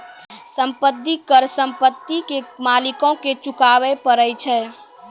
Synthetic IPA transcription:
sə̃mpət̪ːikəɾsə̃mpət̪ːikemaːlɪkõket͡ʃʊkaːʋəpəɾəjt͡ʃʰɛː

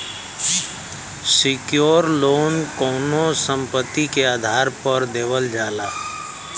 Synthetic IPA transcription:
sɪkjoːɾloːnkɔːnosə̃mpət̪ːikeaːd̪ʱaːɾpəɾd̪eːʋəld͡ʒaːlaː

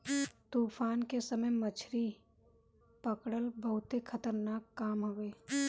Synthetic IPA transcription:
t̪uːfʰaːnkesəməjmət͡ʃʰɾi | pɐkɽəlbəɦʊt̪ekʰɐt̪əɾnaːkːaːmɦoʋeː

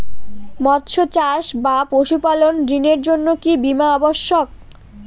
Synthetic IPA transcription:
mɔt̪ʃot͡ɕaʃbapoʃupalonɖineɾd͡ʑonːokibimaɔboʃːok̚

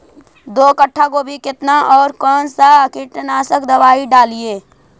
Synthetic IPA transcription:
d̪oːkəʈʰːakobʱikɪt̪naʔɔːɾkɔːnsakɪʈnaːsəkd̪ɐʋaːiɖaːlieː

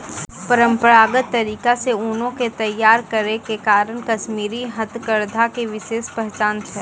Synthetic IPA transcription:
pəɾə̃mpəɾaːɡət̪ːɐɾiːkaseuːnõket̪ɐjːaːɾkəɾekekaːɾənkɐʃmiːɾiɦɐt̪kəɾd̪ʱakeʋɪʃeːʃpəɦt͡ʃãːnt̪ʰɦɛː

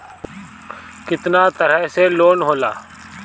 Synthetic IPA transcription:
kɪt̪nat̪əɾəɦseloːnɦoːla̰ː

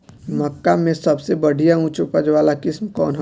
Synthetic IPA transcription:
mɐkːamẽsɐbsebɐɽ̤ʱijaũt͡ʃupəd͡ʒʋaːlakɪsmkɔːnɦ

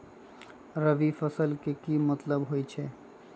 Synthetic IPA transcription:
ɾəʋifɐsəlkekimɐt̪ləbɦoːit͡ʃʰeː

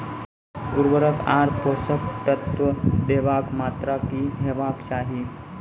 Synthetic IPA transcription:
kuɾʋəɾəkaɾposək̚t̪ət̪ʋəd̪eʋakmat̪ɾakiɦeʋakt͡ʃaːɦiː

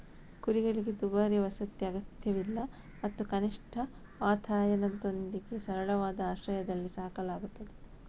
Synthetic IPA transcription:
kuɾiɡɐɭiɡe̞d̪ubaːɾiʋɐsɐt̪jɐɐɡɐt̪jɐʋilːɐ | mɐt̪ːukɐniʂʈʰɐ | ʋaːt̪ʰaːjɐnɐd̪o̞nd̪iɡe̞sɐɾɐɭɐʋaːd̪ɐaːʃɾɐjɐd̪ɐlːisaːkɐlaːɡut̪ːɐd̪e

